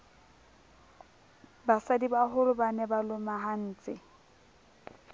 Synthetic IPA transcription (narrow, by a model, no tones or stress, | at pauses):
basadibaɦʊlʊbanɛbalʊmaɦan̩ːt͡sʼɪ